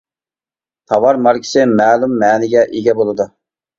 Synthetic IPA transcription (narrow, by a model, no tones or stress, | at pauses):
t̪ʰɑwɑɾmɑɾkʲʰi̥sɪmæːlˠumːæːnɪɡʲɛʔeɡʲɛbolˠɨd̪u